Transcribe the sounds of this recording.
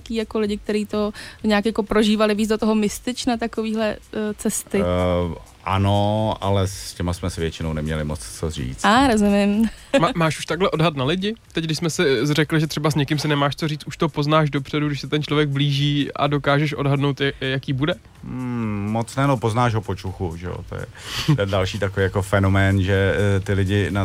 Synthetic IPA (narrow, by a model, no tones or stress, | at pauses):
akiːjakolɪɟɪk̚t̪ɛɾiːt̪o̞ɲaːkjako̞pɾo̞ʒiːvalɪviːzdot̪oɦomɪst̪ɪt͡ʃnat̪akoviːɦlɛt͡sɛst̪ɪ | ʔa̰noa̰lɛscɛmasmɛsɪvjɛt͡ʃɪnownɛmɲɛ̰lɪmo̰t͡st͡sorḭːt͡saɾozumɪmmaːʃu̥ʃt̪aɡɦlɛʔo̞dɦat̪nalɪɟɪt̪ɛc̚ɡdɪʃsmɛsɪrɛklɪʒɛt̪r̝̥ɛbasɲɛkɪmsɪnɛmaːʃt͡so̞riːt͡s̪uʃt̪oopo̞znaːʒdo̞pr̥ɛduɡdɪʃsɛt̪ɛnt͡ʃlo̞vjɛɡ̚bliːʒiːa̰do̞kaːʒɛʃʔo̞dɦadnowt̪jakiːbudɛ | mot͡snɛnopoznaːʃɦopot͡ʃuxuʒɛ̰o̰t̪o̰jɛ̰t̪ɛndalʃiːt̪akovijakofɛnomɛːnʒɛt̪ɪlɪɟɪna